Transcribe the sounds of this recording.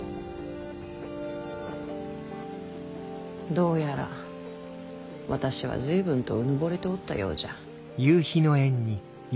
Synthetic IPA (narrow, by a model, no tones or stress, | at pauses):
d̪o̞ːjaɾa̰ | βat̪aɕiβ̞a̰zɨːbɯ̟̃nt̪oɯ̟nobo̞ɾet̪eot̪ːa̰jo̞̰ːd͡ʑa | jɯːçino̞ẽ̞ɲ̟ːi | j